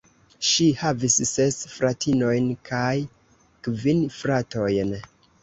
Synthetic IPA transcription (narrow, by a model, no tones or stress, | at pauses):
ʃihavisːe̞sfɾatʰino̞jnkʰaj | kvinfɾato̞jn